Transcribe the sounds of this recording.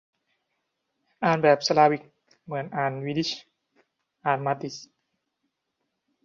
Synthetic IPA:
ʔaː˨˩nbɛː˨˩p̚sa˧laː˧wi˨˧˩k̚ | mɯ˩˦ənʔaː˨˩nwiː˧di˦˥ɕ | ʔaː˨˩nmaː˧t̪i˧s

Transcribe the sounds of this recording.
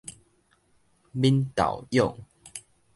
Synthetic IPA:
mi˦nt̪a̰˨wjɔ˥˨ŋ

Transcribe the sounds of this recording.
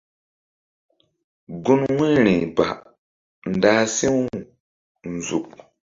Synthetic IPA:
ɡu˦nwi˦ɾĩ˨ba̰˨ | n̩˨da˦si˦w | n˨zṵ˨k̚

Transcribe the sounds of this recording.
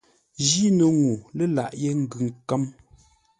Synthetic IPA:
d͡ʒi˦nə˨ŋu˨lə˦la̰˨ʔje˦ŋ̩˦ɡʉ˨ŋ˨kə˦m

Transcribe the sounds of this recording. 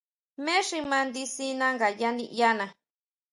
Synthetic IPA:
mẽ˦ʂi˧mã˧nd̪i˦si˦nã˦ŋɡa˨ja˦nḭ˧ʔja˦nã˨

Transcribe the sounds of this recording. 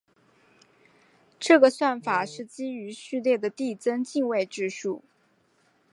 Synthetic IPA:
ʈ͡ʂɤ˥˩ɡə˩swa˥˩nfa˨˩ʂɻ̩˥˩t͡ɕi˥y˧˥ɕy˥˧ljɛ˥˩d̪ə˩t̪i˥˩t͡sə˥nt͡ɕi˥˧ŋwe˥˧ɪʈ͡ʂɻ̩˥˧ʂu˥˩

